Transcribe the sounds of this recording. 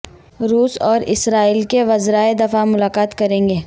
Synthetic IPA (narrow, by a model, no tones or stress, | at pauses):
ɾuːsɔːɾɪ̰sɾaːiːlkeʋɐzɾaed̪ɐfamʊlaːkaːt̪kɐɾẽːŋɡeː